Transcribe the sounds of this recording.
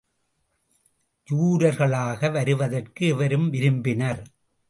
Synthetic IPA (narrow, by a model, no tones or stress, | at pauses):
juːɾɐɾɣɐɭaːɣɐʋɐɾɯʋɐðɐrkɯɛʋɐɾɯmʋɪɾɯmbɪnɐɾ